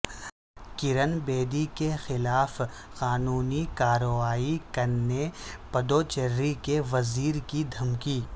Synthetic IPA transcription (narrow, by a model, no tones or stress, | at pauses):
kɪɾənbeːd̪ikexɪlaːf | qaːnuːnikaːɾʋaːikɐɾepɐd̪oːt͡ʃɐɾːikeʋɐziːɾkid̪ʱɐmkiː